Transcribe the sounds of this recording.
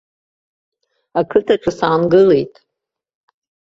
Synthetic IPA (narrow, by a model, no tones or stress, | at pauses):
akʰɨtʰaʈ͡ʂʰʼɨsaːnɡɨle̞jtʼ